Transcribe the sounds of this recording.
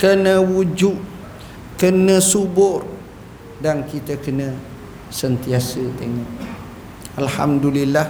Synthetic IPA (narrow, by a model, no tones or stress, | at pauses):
kənəwud͡ʒuʔ | kənəsubʊr | dankit̪əkənə | sənt̪iasət̪eŋɔʔ | alha̰mdulilːa